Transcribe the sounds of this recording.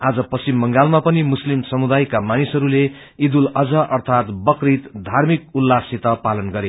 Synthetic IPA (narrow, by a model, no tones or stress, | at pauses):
ad͡zʌpʌsimːʌŋɡalmapʌnimuslimsʌmud̪ajkamanisʌɾule | id̪ulʌd͡zʌʔʌrt̪ʰat̪bʌkrit̪d̪ʱarmik̚ulːasit̪ʌpalʌnɡʌɾe